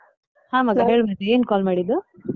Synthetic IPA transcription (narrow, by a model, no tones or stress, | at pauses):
haːmɐɡɐɦeːɭbat̪eeːnkaːlmaːɽid̪ːu